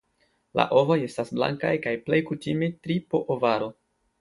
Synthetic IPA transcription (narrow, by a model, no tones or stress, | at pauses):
la̰ʔo̞vo̞je̞stasbla̰ŋkajkajple̞jkutimetɾipoʔovaɾo̞